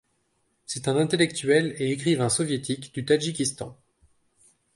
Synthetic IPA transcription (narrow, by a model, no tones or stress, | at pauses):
sɛt̪ɛ̃nɛ̃t̪elɛkt̪ɥɛleekχivɛ̃sɔvjet̪ʰikd̪̥yt̪aʒikʲist̪ɑ̰̃